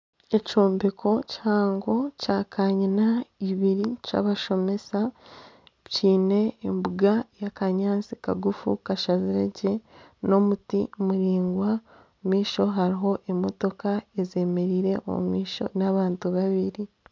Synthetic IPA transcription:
ecoːmbekʰo̞chaːŋɡo̞caːkʰaɲinaiβiɾica̰ːβaʃo̞me̞sa | ciːne̞ːmbuɡajakaɲaːnsika̰ɡufṵkaʃaziɾḛɟe̞no̞mutimuɾiːŋɡwa | omiːʃo̞ɦaɾiɦo̞ʔemo̞to̞kaeze̞me̞ɾiːɾe̞ʔo̰mṵmiːʃo̰naβaːntuβaβiɾi

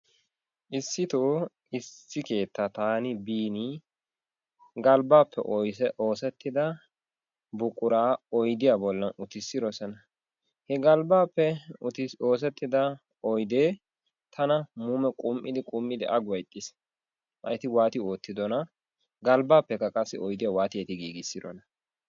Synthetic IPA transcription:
ʔɪsːɪt̪oː | ɪsːɪke̞ːt̪ːat̪aːnɪbiːni | ɡɐlbaːpʰːɛ̰ʔɔoːsɛt̪ːɪd̪ɐ | bʊkʼʊɾaːɔjd̪ɪjabɔlːɐnʊt̪ɪsːɪɾɔsɛnɐ | hɛɡɐlbaːpːɛʊt̪o̞ːs̬ɛt̪ːɪd̪ɐ | ɔjd̪eː | t̪ʰɐnɐmuːmɛkʼʊmʔɪd̪ɪkʼʊmːɪd̪ɪ̰ʔɐɡwɐjt̪ʼːɪs | ʔɐjt̪ɪwaːt̪ɪo̞ːt̪ːɪd̪ɔnɐ | ɡɐlbaːpːɛkːɐkʼɐsːɪɔjd̪ɪjawaːt̪ɪjɛt̪ɪɡiːɡɪsːɪd̪ɔ̰nɐ

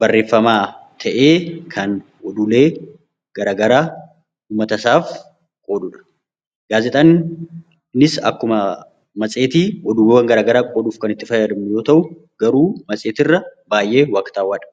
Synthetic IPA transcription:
bɐrːe̞ːfːɐmaːt̪ʰɐʔe̞ːkʰɐn | ʔɔd̪uːle̞ː | ɡ̥ɐɾaːɡɐɾaː | uːmːɐt̪ɐsaːf | kʼo̞ːd̪ʊᶑɐ̥ | ɡ̥aːzɛt̪ʼɐn | nɪsɐ̰kːʊmɐ | mɐsʼe̞ːt̪iːʔɔd̪uːwewɐŋɡɐɾaːɡɐɾaːkʼoːd̪uːfkɐnɪt̪ːɪfɐjɐɾɪmɪjo̞ːt̪ɐʔʊ | ɡ̥ɐɾuːmɐsʼe̞ːt̪ɪrːɐbaːjʔe̞ːwɐːkt̪aːwaːᶑɐ̥

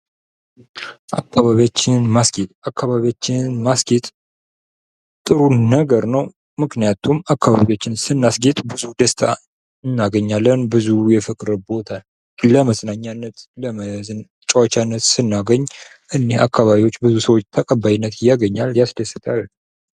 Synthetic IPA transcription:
ʔa̰kːaβaβijat͡ʃːɪnmasɡet̪ʼakːaβaβiat͡ʃːɪnmasɡet̪ʼ | t̪ʼɨɾunːəɡəɾnəw | mɨknijat̪ʰumakːaβaβiot͡ʃːɪnsɨnːasɡet̪ʼbɨzud̪əst̪ʰa̰ | ɨnːaɡəɲːalːənbɨzujɛfɨkʼɾbo̞t̪ʰa | ləməsnaɲːanːət̪ləməzn | t͡ʃʼəwat͡ʃanːət̪sɨnːaɡəɲː | ʔɨnːehakʰːaβaβiwo̞t͡ʃːbɨzusəwot͡ʃːt̪ʰəkʼəbːajinːət̪jaɡəɲːaljasd̪əsɨt̪ʰʼal

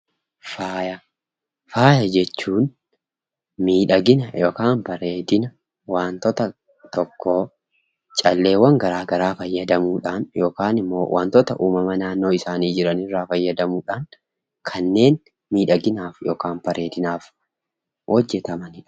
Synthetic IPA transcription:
faːjɐ | faːjɐd͡ʒɛt͡ʃːuːn | miːᶑɐɡɪnɐjoːkaːnbɐɾeːd̪ɪnɐ | waːnt̪ɔt̪ɐ | t̪ɔkːo̞ː | t͡ʃʼɐlːe̞ːwɐŋɡɐɾaːɡɐɾaːfɐjːɐd̪ɐmuːᶑaːnjo̞ːkaːnɪmːo̰ːwa̰ːnt̪ɔt̪ɐʔuːmɐmɐnaːnːo̞ːɪsaːniːd͡ʒɪɾɐnɪrːaːfɐjːɐd̪ɐmuːᶑaːŋ | kʰɐnːe̞ːn | miːᶑɐɡɪnaːfjoːkaːnbɐɾeːd̪ɪnaːf | hɔd͡ʒːɛt̪ɐmɐnɪᶑɐ̥

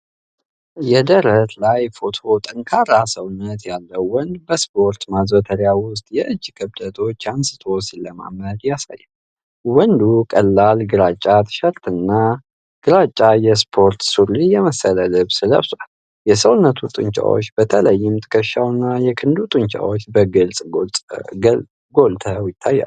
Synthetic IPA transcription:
jɛd̪əɾət̪lajfo̞t̪ʰo̞t̪ʼəŋkʰaɾasəwnːət̪jalːəwwɔnd̪bəspʰo̞ɾt̪mazwət̪ʰəɾjawʊst̪ʼjɛʔɨd͡ʒːkʰɨbd̪ət̪ʰo̞t͡ʃːansɨ̥t̪ʰo̞siləma̰məd̪jasa̰jːaw | wɔnd̪ukʼəlːalɡɨɾat͡ʃʼːat̪ʰɨ̥ʃəɾt̪ɨnːa | ɡ̥ɨɾat͡ʃʼːajɛspʰo̞ɾt̪suɾijɛməsələlɨβsɨlə̰βsal | jɛsəwnːət̪ʰut̪ʼɨ̰ɲt͡ʃʼa̰wo̞̰t͡ʃːbət̪ʰələjːɪmt̪ʰʼɨ̥kʰəʃawnːajɛkʰɨnd̪ut̪ʼɨnt͡ʃʼa̰wo̞t͡ʃːbəɡɨlsʼɡo | ɡolt̪ʰəwjɪt̪ʰːajːa̰l

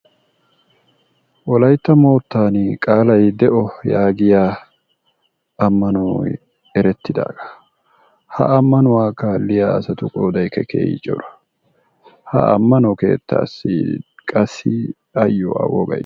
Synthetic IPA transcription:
wɔlɐjt̪ːɐmo̞ːt̪ːaːnkʼaːlɐjd̪ɛʔɔjaːɡɪjaː | ɐmːɐnɔw | ɛɾɛt̪ːɪd̪a̰ːɡ̥ɐ̥ | hɐ̰ɐmːɐnʊwaːkalːɪjaɐsɐt̪ʊkʼoːd̪ɐjkɛkʰḛːjɪ̰t͡ʃʼɔ̰ɾɐ̥ | hɐ̰ɐ̰mːɐnɔke̞ːt̪ːa̰ːsːɪkʼɐsːɪ | ɐjːɔ̰ɐ̰wɔ̰ɡɐ̰j

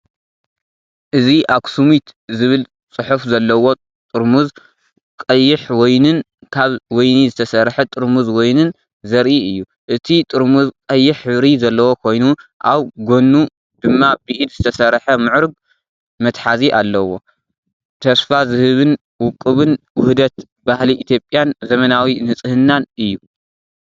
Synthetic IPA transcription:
ʔɨziʔaksumit̪zɨβɨl | t͡sʼɨħufzɐlːɐwo̞ | t̪ʼɨɾmuz | kʼɐjːɪħwojnɨn | kʰaβwɔjnizɨt̪ʰɐsɐɾħɐt̪ʼɨɾmuzwɔjnɨn | zɐɾʔiɨjːu | ʔɨt̪ʰit̪ʼɨɾmuzkʼɐjːɪħɨβɾizɐlːɐwo̞kʰo̞jnuʔaβɡo̞nːu | d̪̥ɨmːabɨʔid̪z̥ɨt̪ʰɐsɐɾħɐmɨʕɾɨɡ̚ | mɐt̪ħaziʔalːɐwo̞ | t̪ʰɐsfazɨhɨβɨn | wʊkʼːɨβɨnwʊhd̪ɐt̪ | bahliʔit̪ʰjo̞pʼjanzɐmɐnawinɨt͡sʼɨhɨnːanʔɨjːu

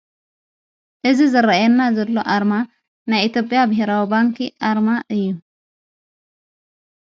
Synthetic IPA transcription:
ʔɨzizɐɾajɛnːazɐlːo̞ʔaɾma | najit̪jopʼijabɨɦeɾawibaŋkiʔaɾmaʔɨjːu

